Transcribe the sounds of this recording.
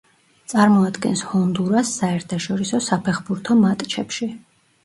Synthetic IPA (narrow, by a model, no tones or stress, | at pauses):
t̪sʼaɾmɔad̪ɡɛ̰nshɔnd̪uɾasːaɛɾt̪ʰaʃɔɾisɔsapʰɛχbuɾt̪ʰɔmat̪ʼt͡ʃʰɛpʃi